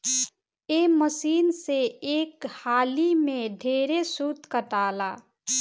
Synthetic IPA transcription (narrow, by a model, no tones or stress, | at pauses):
eːməsiːnseeːkhaːlimẽɖʱeːɾesuːt̪kəʈaːlaː